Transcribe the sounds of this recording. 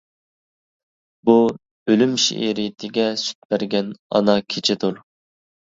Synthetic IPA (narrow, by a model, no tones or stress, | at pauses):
bu | ølymʃḭʔeɾijt̪ʰɪɡʲɛsy̥t̪̚bæɾɡʲɛnɑ̰nɑkʲʰet͡ʃʰɪt̪uɾ